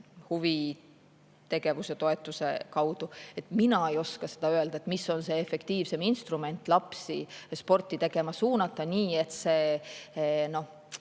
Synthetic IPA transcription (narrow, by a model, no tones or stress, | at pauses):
huvi | t̪e̞ɡ̥e̞vuse̞t̪o̞e̞t̪ːˑuse̞̰kɑwd̪̥ue̞t̪minɑe̞jo̞skɑse̞d̪̥ɑøe̞ld̪̥ɑet̪misːo̞nse̞efe̞kt̪iːvse̞minst̪rume̞nt̪ːˑlɑpsispo̞rt̪ːˑit̪e̞ɡ̥e̞mɑsuːnɑt̪ːˑɑniːe̞t̪se̞ː | no̞h